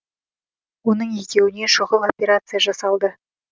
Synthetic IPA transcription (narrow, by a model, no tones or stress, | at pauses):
wo̞nəɴezt̪ʲe̞wɪne̞ʃoʁəlˠo̞pʲe̞ɾat̪sɨjaʒɑsɑlˠd̪ə